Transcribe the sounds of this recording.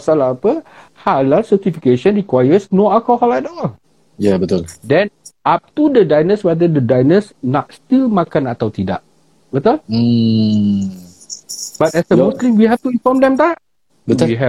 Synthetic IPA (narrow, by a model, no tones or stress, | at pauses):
asalaapəhalalsət̪ifikeʃə̃nɹikwajəsnoakɔhaladɔl | jabət̪uldɛ̃nʔap̚t̪udədajnəswɛdədədajnəsnɔt̚st̪ilmakanat̪awt̪ida̰ʔ̚ | bət̪ul̩ | b̥at̪̚ɛsəmuslĩmwiɦɛft̪uinfɔmdɛ̃mt̪aʔ | bət̪wiɦɛ